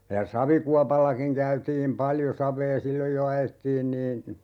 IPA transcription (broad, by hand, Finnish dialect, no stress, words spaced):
jɑ sɑʋikuɑpɑlːɑkiŋ kæytiːm pɑljo sɑʋˑeː silːoj jo ɑjetːiːn niːn̞